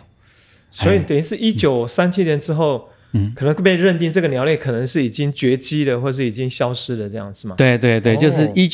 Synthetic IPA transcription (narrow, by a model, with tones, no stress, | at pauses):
swwɔ˧˥i˨˩˨t̪i˧˥ʂɻ̩˥˩ʔi˥t͡ɕjo˨˩ʊsa˥nt͡ɕʰi˥njɛ˧˥nʈ͡ʂɻ̩˥xo˥˨˩ʊ | kʰɤ˨˩nə˧˦ŋkwe˥˩pe˥˧ɪɻə˥˧nt̪i˥˧ŋʈ͡ʂɤ˥˩ɡə˨njɑ˧˥ʊljɛ˥˩kʰɤ˨˩nə˧˦ŋʂɻ̩˥˩i˨˩t͡ɕi˦˥ŋt͡ɕɥɛ˧˥t͡ɕi˥d̪ə˨xwɔ˥˩ə˩ʂ̬̩˥˩˨i˨˩t͡ɕi˦ŋɕjɑ˥ʊʂɻ̩˥d̪ə˨ʈ͡ʂɤ˥˧jɑ̰˥˩ŋd͡z̩˨˩ma˨˩t̪we˥˧ɪt̪we˥˧ɪt̪we˥˩ɪt͡ɕjo˥˧ʊʂ̬ɻ̩˥˩i˥